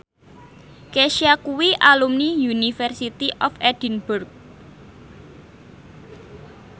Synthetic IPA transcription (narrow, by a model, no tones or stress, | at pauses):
keʃiakuwiʔalumnijunifɛrsit̪iʔɔfɛd̥inburk̚